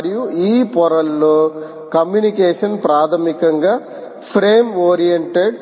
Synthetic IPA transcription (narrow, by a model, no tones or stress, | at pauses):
ɾjuiːpɔɾɐlːoː | kɐmjunikeːʂɐnpɾaːt̪ʰɐmikɐŋɡaː | pʰɾeːmoːɾijɐɳʈeɖ